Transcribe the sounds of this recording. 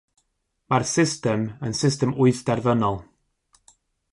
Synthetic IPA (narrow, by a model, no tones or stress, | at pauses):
marsɪstɛmənsɪstɛmʊɨθd̥ɛrvənɔlˠ